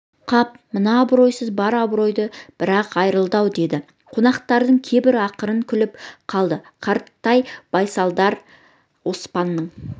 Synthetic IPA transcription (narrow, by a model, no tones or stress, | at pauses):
qʰɑp | mənɑːbɾo̞jsəzbɑɾɑbɾo̞jd̪əb̥ɪɾɑqɑjɾəlˠd̪ɑwd̪e̞d̪ɪ | qʰo̞nɑqt̪ɑɾd̪əɴkʲʰe̞bɪɾɑqəɾəŋkʲʰʏlɪpqʰɑlˠd̪əqʰɑɾt̪ːɑjb̥ɑjsɑlˠd̪ɑɾ | wo̞spɑnːəɴ